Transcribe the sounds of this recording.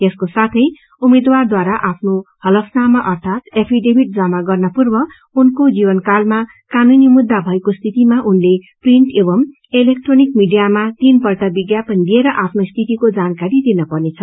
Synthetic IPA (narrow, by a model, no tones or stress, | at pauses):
jeskosat̪ʰʌj | umed̪ward̪waɾaʔapʰnohʌlʌkʰnamʌʔʌrt̪ʰat̪epʰiɖebiʈ̚d͡zʌmaɡʌrnʌpurbʌ | unkod͡zibʌnkalma | kanunimud̪ʱːabʱʌekost̪ʰit̪imaʔunle | priɳʈebʌm | elek̚ʈronikmiɖijamat̪inpʌrʈabiɡjapʌnd̪ieɾʌʔapʰnost̪ʰit̪ikod͡zankaɾid̪inʌpʌrnet͡sʰʌ